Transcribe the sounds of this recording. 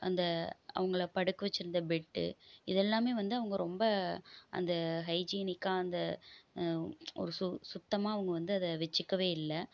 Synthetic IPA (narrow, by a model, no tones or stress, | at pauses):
ɐ̰nd̪ɐɐ̰ʋɐŋɡɐɭɐpɐɽɯkːɯʋɐt͡ʃːɪɾɯnd̪ɐbɛʈːɯ̰ɪðɛlːaːmeːʋɐnd̪ɯɐʋɐŋɡɐɾɔmbɐʔɐ̰nd̪ɐɦɐɪd͡ʒiːnɪkːaːɐnd̪ɐ | ɔ̰ɾɯsʊsʊt̪ːɐmaːɐʋɐŋɡɐʋɐnd̪ɯɐðɐʋɛt͡ʃːɯkːɐʋeːɪlːɐ